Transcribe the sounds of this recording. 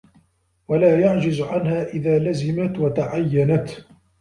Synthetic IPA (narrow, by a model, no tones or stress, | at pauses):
walaːjaʕd͡ʒɪzʕanhaːʔɪðaːlazɪmat̪wat̪aʕajːanat̪